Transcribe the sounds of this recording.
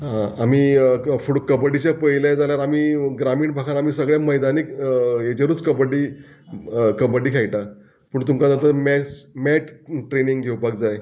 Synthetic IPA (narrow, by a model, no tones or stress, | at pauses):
ɦãamiːfuɽokəbəɽit͡ɕjapəjljad͡zaljaɾamiːɡɾamiːɳbʱakʰanamiːsəɡɭãməjd̪aniket͡ɕeɾuːt͡skəbəɽiː | kəbəɖiːkʰajʈa | pəːɳt̪umkad͡zat̪̬əɾmɛmɛʈʈɾeniŋɡɡʱewpak̚d͡zaj